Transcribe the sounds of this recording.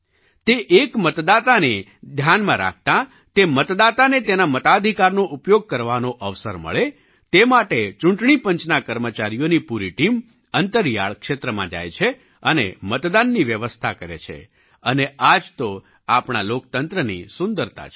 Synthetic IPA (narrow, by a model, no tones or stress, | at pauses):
t̪eʔekmət̪d̪at̪ane | d̪ʱjanmãɾa̰k̚ʰt̪ã | t̪emət̪d̪at̪anet̪enamət̪ad̪ʱikaɾnoʔupjoɡ̚kəɾʋanoʔəʋsəɾmə̰ɭe | t̪emaʈet͡ʃũɳʈɳipəɲt͡ʃnakəɾmət͡ʃaɾijonipuɾiʈim | ənt̪əɾja̰ɭkʃet̪ɾəmã̰d͡ʒa̰jt͡ʃʰe | ənḛmət̪d̪anːiʋjəʋəst̪ʰakəɾḛt͡ʃʰḛ | ənead͡ʒt̪o | apɳalok̚t̪ənt̪ɾənḭsʊ̃nd̪əɾt̪a̰